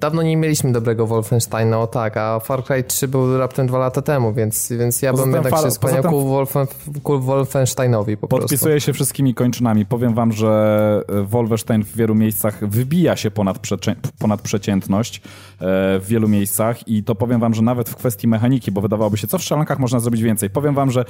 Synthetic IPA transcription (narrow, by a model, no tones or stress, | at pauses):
d̪̥avnɔɲɛmʲjelʲiɕmɘd̪ɔbɾɛɡɔvɔlfɛnʂt̪ajnaɔt̪akafaɾkɾajtʂɘbɘwɾap̚t̪ɛmd̪valat̪at̪ɛmuvʲjɛnt̪svʲjɛnt̪sjaɔzɛamɛmaspɔaɲaɛwt̪ɛuvɔlfɛkulvɔlfɛnʂt̪ajnɔvʲipɔ̥̰ppɔɔ̰spʲist̪ujɛɕɛfʂɘst̪kʲimʲikɔɲt͡ʂɘnamʲipɔvʲjɛmvamʐɛ | vɔlvɛʂt̪ajnvːʲjɛlumʲjejst̪saxvɘbʲijaɕɛpɔnat̪ʂɛɛpɔnat̪̚pʂɛt͡ɕɛnt̪nɔɕt͡ɕ | vːjɛlumʲjejst̪saxit̪ɔpɔvʲjɛmvamʐɛnavɛt̪fkfɛst̪ʲjimɛxaɲikʲibɔvɘd̪avawɔbɘɕɛt̪ɔfʂalɔŋkaxmɔʐnazɾɔbʲid͡ʑvʲɛnt̪sɛjpɔvʲjɛmvamʐɛ